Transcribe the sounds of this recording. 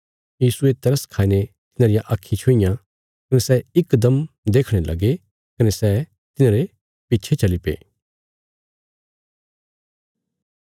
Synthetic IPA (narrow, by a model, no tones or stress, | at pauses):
jiːsuet̪ɐɾəskʰaːinet̪ɪnãːɾɪjãʔaːkʰːĩt͡ʃʰoijã | kɐnɛsɛɪkːd̪əmd̪eːkʰɽ̃elʔɐ̰ɡe | kɐnesɛː | t̪ɪnaːɾe | pitːt͡ʃʰet͡ʃɐlipḛː